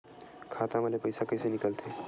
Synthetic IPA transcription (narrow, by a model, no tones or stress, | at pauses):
kʰat̪aməlepəjsakəjsenikəlt̪ʰe